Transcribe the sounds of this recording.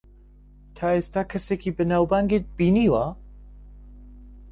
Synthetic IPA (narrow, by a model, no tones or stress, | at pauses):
t̪ʰaest̪akʰəsekʰibənawbaŋɡet̪̚b̥iniwa